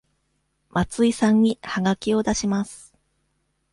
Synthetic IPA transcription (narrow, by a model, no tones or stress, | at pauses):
mat͡sɨisãɲ̟ːihaɡakʲio̞d̪aɕimasɨ̥